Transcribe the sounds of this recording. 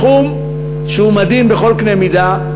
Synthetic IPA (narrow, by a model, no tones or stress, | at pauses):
um | ʃeumad̪imbeχo̞lknemid̪a